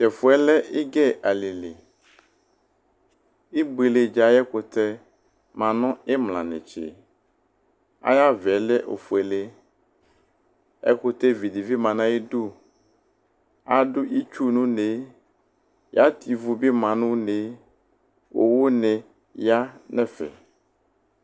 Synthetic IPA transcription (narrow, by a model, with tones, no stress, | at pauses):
t͡ʃɛ˨fu˦ɛ˦lɛ˦e˦ɡɛ˦ʔa˨le˨le˨ | i˦be˨le˨d͡ʒa˨˦jɛ˦ko˨t̪ɛ˦ | mã˨nɔ̃˦ɛ˦mlã̰˨nḛ̃˨t͡ʃḛ˨ | a̰˦ja˦vɛ˨lɛ˦ʔo̰˨fu˨ɛ˨le˦ | ɛ̰˦ko˦t̪e˦vi˨di˨vi˦mã˨nã˦i˦du˦ | a˦dʊ˦ʔi˦t͡ʃu˦nũ˦ne˨˦ | ja˦t̪ʰi˨vu˨bi˦mã˨nũ˦ne˦ | wo̰˨wo˦nɛ̃˨ | ja˦nɛ̃˦fɛ̰˨